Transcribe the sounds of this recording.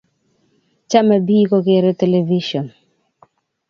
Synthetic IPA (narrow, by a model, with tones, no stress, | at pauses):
t͡ʃa˦ma˨biː˦ko˦ke˨ɾe˦te˨le˨vi˦ʃɔ˨n